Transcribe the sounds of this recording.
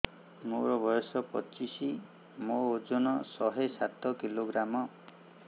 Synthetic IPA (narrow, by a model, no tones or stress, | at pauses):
moɾɔbɔjɔsɔpɔt͡ʃisi | mood͡ʒonɔsɔɦesat̪ɔkiloɡɾamɔ